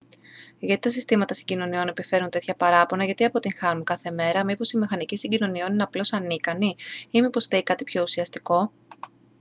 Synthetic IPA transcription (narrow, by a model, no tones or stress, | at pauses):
ʝɐt̪it̪ɐsist̪imɐt̪ɐsiɲɟino̞nio̞ne̞pife̞ɾunt̪e̞t̪çɐpɐɾɐpo̞nɐʝɐt̪iɐpo̞t̪iŋxɐnunkɐθe̞me̞ɾɐmipo̞simixɐnicisiɟino̞nio̞nineɐplo̞sɐnikɐniimipo̞st̪eikɐt̪ipço̞usiɐst̪iko̞